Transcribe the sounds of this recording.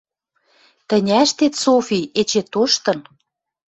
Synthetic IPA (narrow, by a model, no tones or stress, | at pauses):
t̪ə̆nʲæʃt̪et̪sofiet͡ɕet̪oʃt̪ɤ̆n